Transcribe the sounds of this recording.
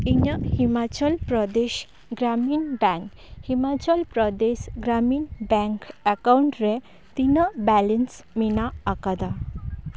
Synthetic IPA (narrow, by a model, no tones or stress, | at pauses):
iɲəhimat͡ɕəlpɾəd̪eɕ | ɡɾamiːnbɛ̃ŋk | himat͡ɕəlpɾəd̪eɕɡɾamiːnbɛ̃ŋkəkauɳʈɾe | t̪inəbɛlɛns | minaːkad̪a